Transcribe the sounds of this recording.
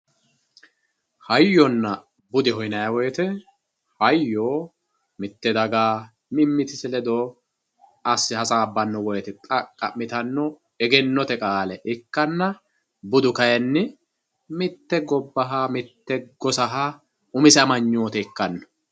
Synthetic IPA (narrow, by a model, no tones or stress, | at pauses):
hɐjːɔnːɐ | bʊd̪ɪɦɔjnɐjɐwɔjɛt̪ɛ | hɐjːoː | mɪt̪ːɛd̪ɐɡaː | mɪmːɪt̪ɪsɪlɛd̪o | ɐsːɪhɐsaːbːɐnːɔwɔjɛt̪ɛt̪ʼɐkʼːɐmɪt̪ɐnːɔ | ɛɡɛnːɔt̪ɛkʼaːlɛʔɪkːɐnːɐ | bʊd̪ʊkɐjɐnːɪ | mɪt̪ːɛɡɔbːɐɦamɪt̪ːɛɡɔsɐɦa | ʊmɪsɛɐmɐɲːoːt̪ɛɪkːɐnːɔ̥